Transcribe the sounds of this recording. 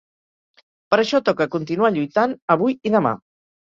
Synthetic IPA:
pəɾəʃɔt̪ɔkəkunt̪inuaʎujt̪anəβ̞ujiðəma̰

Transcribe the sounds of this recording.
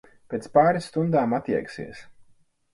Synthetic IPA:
pʲeːt̪spaːɾist̪und̪aːmat̪ʲiɛksḭɛs

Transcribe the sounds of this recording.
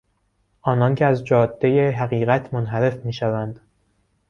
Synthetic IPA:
ʔɒːnɒncʰeæzd͡ʒɒːd̪ːejeɦæɣiːɣæt̪ʰmonɦæɾe̞fmiːʃævænd̪̥

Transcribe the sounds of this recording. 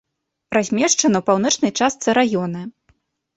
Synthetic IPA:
razʲmʲɛʂt͡ʂɐnɐwpawnɔt͡ʂnɐjt͡ʂast̪sɨɾajɔnɐ

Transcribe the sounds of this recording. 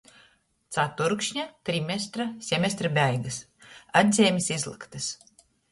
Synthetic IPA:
t̪sat̪uɾkʃɲat̪ɾimʲɛst̪ɾasʲɛmʲest̪ɾabʲæjɡɐs | ad̪ʲzʲeːmʲisizlˠɨ̰kt̪ɨs

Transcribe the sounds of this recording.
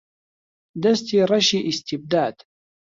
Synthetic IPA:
d̪ast̪iɾˤɑʃiʔɪst̪ɪb̚d̪aːd̪̥

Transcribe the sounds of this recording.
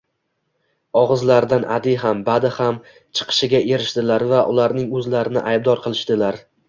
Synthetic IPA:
ɒʁɨzlaɾd̪anʔa̰d̪ɪjɦambad̪ɪham | t͡ʃʰɨ̥qʰɨ̥ʃɪɡʲaʔe̞ɾɪʃt̪ɪlaɾvaʔʊlaɾnɪŋɵzlaɾɪnɪ̰ʔajb̚d̪ɒɾqʰɨlˠɪʃt̪ɪlaɾ

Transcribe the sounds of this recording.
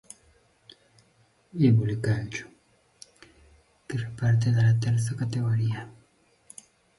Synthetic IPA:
eβulikalt͡ʃu̥ | kefepaɾt̪̬eðelat̪eɾs̬akat̪eɣoɾia

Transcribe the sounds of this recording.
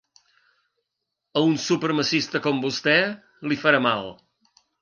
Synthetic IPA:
əunsupəɾməsist̪əkɔmbust̪ɛ | lifəɾamalˠ

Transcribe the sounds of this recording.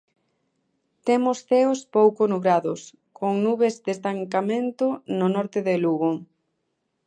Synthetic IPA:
t̪emʊsθeʊspowkonuβɾaðʊs | kʰoŋnuβezd̪est̪aŋkamẽnt̪ʊnʊnɔɾt̪ɪðeluɣo

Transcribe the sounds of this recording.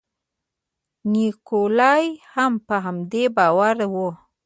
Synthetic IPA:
nikolɑjhampəɦamd̪ebɑwaɾwo

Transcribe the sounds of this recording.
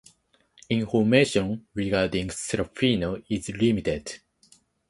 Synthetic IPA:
ĩɱfɔmeʃɔ̃nɹiɡaɹdĩŋsɛɾafinoizlimited

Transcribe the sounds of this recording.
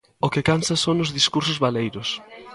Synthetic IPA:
ʊkɪkansɐsonʊzðiskuɾsʊzβalejɾʊs

